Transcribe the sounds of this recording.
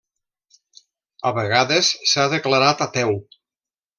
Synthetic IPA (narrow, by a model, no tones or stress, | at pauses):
aβeɣaðesːaðəklaɾat̪at̪ɛw